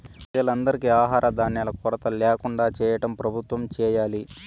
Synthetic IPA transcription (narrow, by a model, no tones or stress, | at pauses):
d͡ʒɐlɐnd̪ɐɾikiaːɦaːɾʔɐd̪aːnːjɐlɐkɔɾɐt̪ɐleːkuɳɖaːt͡ʃɛːjɐʈɐmpɾɐbʱut̪ʋɐmt͡ʃɛːjaːli